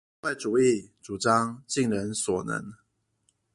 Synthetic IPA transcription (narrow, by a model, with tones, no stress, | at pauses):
wa˥˩ɪʈ͡ʂu˨˩i˥˨˩t͡su˨˩ʈ͡ʂɑ˥ŋt͡ɕi˥˨ŋɻə˧˦nswɔ˨˩nə̰˧˦ŋ